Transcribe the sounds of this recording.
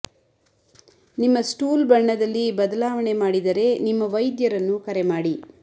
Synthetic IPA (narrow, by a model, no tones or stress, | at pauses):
nimːɐsʈuːlbɐɳːɐd̪ɐlːibɐd̪ɐlaːʋɐɳe̞maːɽid̪ɐɾe̞nimːɐʋɐjd̪jɐɾɐnːukɐɾemaːɽi